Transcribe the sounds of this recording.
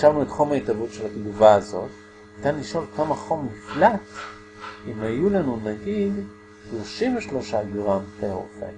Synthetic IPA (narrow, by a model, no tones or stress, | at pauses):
ʃavnuetχomaitavutʃe̞lat̪iɡuvaːzo̞̰t | nit̪anliʃo̞ltomhaχomːiflat͡s | imajulanunaɡid | ʃlo̞ʃimveʃlo̞ʃaɡʁampeo̰fḛ